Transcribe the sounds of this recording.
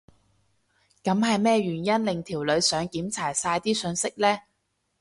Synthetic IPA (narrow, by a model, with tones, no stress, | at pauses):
kɐ˨˥mɦɐ˨jmɛː˥˧ɥyː˨˩njɐ˥nlɪ˨ŋt̪ʰiː˨˩wlɵ˨˧ɥsœː˨˧˥ŋkiː˨˥mt͡sʰaː˨˩jsaː˧jt̪iː˥sɵ˧nsɪ˥k̚lɛː˥